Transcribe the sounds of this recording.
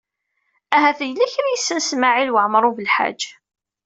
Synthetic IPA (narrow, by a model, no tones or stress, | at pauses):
æɦæθəjlːiçɾjisːənsmaʕilwəʕəmɾˤuvəlħa̰d͡ʒ